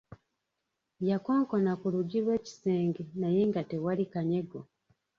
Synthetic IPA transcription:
jako̞ːŋko̞nakuluɟiɾwe̞ːci̥seːŋɡenaje̞ŋɡate̞walikaɲe̞ɡo

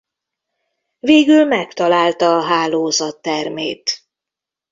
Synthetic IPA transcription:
veːɡylmɛkt̪ɒlaːlt̪ɒːɦaːloːzɒt̪ːɛrmḛːt̪

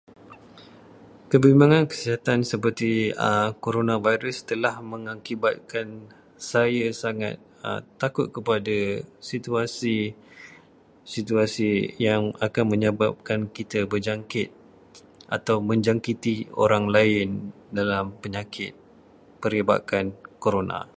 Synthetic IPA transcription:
kəbimbaŋãnkə̥siɦat̪ansəpərt̪iə̰koɾonãvajɾəst̪əlahmə̃ŋakibat̪̚kan | sajasaŋa̰t̪̚ | ə̰tːakʊt̪̚kəpadasit̪uasi | sit̪uasijaŋakanmə̃ɲəbap̚kankit̪əbəd͡ʒaŋkɪt̪̚ | ʔat̪awmə̃ɲd͡ʒaŋkit̪io̰ɾaŋlaɪndalampəɲãkʰɪt̪̚ | pəɾiba̰kankoɾonã̰

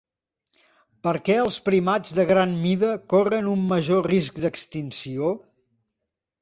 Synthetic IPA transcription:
pəɾkɛəlˠspɾimad͡zðəɣɾanmiðəkorənumːəʒorisk̚d̪əkst̪insio

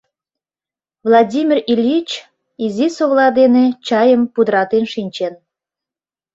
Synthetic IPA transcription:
vlˠɑdʲimʲirilʲit͡ɕ | izisoβlˠɑd̪enet͡ɕɑjəmpud̪ɾɑt̪enʃinʲt͡ɕen

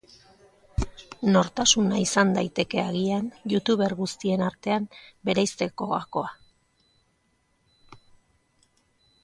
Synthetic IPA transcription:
no̞ɾt̪asunaisand̪ajt̪e̞ke̞aɣianjut̪uβe̞ɾɣust̪ie̞naɾt̪e̞ambe̞ɾajst̪e̞ko̞ɣa̰ko̞a

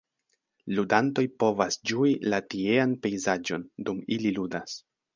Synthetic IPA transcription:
ludanto̞jpo̞vasd͡ʒuilatie̞anpe̞jzad͡ʒo̞ndumililudas

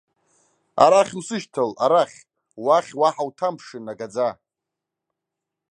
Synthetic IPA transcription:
a̰ɾaχʲusɨʃtʰalaɾaχʲ | waχʲwaħawtʰampʰʂɨnaɡad͡za

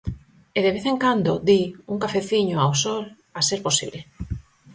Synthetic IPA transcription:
eðeβeθẽŋkand̪oðiuŋkafeθiɲoawsol | aseɾposḭβle

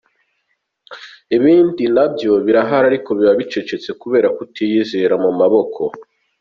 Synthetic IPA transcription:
iβiːndinabjo̞βiɾaɦaɾaɾiko̞βiβaβit͡ʃe̞t͡ʃe̞t͡se̞kuβe̞ːɾakutʰijizeɾamumaβo̞kʰo̞

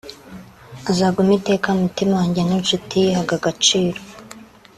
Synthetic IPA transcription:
azaɡumite̞ːkamutimawaːɲɟeninʃutihaɡaɡat͡ʃiːɾo̥

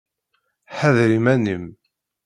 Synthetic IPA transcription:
ħəðɾimænəm

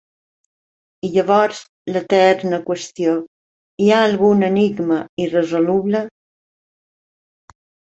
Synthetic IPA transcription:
iʎəβɔɾz | lət̪ɛrnəkwəst̪jo | iaːlɣunəniɡməirəzoluβlə

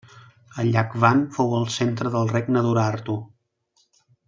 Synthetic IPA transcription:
əʎakβanfowəlˠsent̪ɾəðəlˠreɡnəðuɾaɾt̪u

